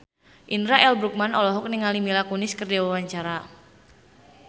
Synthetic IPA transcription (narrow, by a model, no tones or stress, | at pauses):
ʔinɾaʔɛlbɾuk̚manɔlɔɦɔk̚niŋalimilakunɪskərdawawaɲt͡ʃaɾa